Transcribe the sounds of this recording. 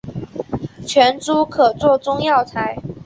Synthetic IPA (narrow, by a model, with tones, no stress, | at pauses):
t͡ɕʰɥɛ˧˥nʈ͡ʂu˦kʰɤ˨˩t͡swɔ˥˨ʈ͡ʂʊ˥ŋjɑ˥˨ʊt͡sʰa˧˥ɪ